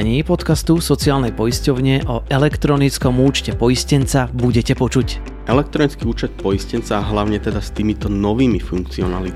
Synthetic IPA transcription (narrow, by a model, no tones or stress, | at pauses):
ɲipɔt̪kast̪usɔt͡siaːlnɛjpɔjiscɔʊɲɪɛʔɔʔɛlɛkt̪ɾɔnit͡skɔmuːt͡ʃcɛpɔjiscɛnt͡sabuɟɛcɛpɔt͡ʃuc | ʔɛlɛk̚t̪ɾɔnit͡skiuːt͡ʃɛt̪̚pɔiscɛnt͡saːɦlaʊɲɛt̪ɛd̪ast̪iːmit̪ɔnɔʋiːmifuŋk̚t͡siɔnali